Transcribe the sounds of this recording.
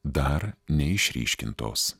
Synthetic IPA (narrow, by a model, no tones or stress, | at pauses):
d̪ɐɾnʲɛɪʃʲɾʲḭːʃʲkʲɪ̰nt̪o̰ːs